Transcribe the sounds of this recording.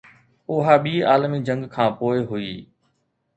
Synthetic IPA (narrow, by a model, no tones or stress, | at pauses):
ʊɦaːɓiːaːlmiːd͡ʒə̃ŋɡkʰãːpoːɪɦʊiː